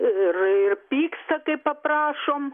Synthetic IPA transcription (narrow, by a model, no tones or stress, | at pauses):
ɪrɪrpʲiːkst̪ɐkɐɪpɐpɾɑːʃoːm